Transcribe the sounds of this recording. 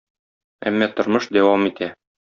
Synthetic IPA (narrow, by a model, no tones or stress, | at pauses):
æ̰mːæt̪ŏɾmɤʃd̪æwɑmit̪æ